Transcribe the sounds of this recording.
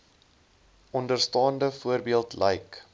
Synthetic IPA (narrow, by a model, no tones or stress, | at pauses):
ʔɔndərstɑːndəfuərbiəlˠtlɛjk